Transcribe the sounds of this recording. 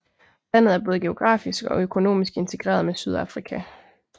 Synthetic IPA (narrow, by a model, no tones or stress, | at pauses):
læn̰ð̩ˠæɐb̥ɔ̽ːðˠɡ̥e̝o̝ɡ̥ʁɑ̰̈ːfisɡ̥ɒ̽økʰo̝no̝̰ːmisɡ̥e̝nt͡sʰe̝ɡ̥ʁɛ̰ːɐð̞̩ˠmesyð̞ˠɑfʁikʰæ